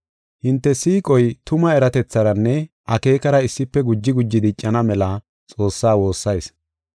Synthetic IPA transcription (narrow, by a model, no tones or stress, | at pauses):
hɪnt̪ːɛsiːkʼɔjt̪ʊmɐɛɾɐt̪ɛt͡sːɐɾɐnːɛ | ʔɐke̞ːkɐɾɐɪsːɪpːɛɡʊd͡ʒːɪɡʊd͡ʒːɪd̪ɪt͡ʃʼːɐnɐmɛlɐ | t͡sʼo̞ːsːaːwo̞ːsːɐjs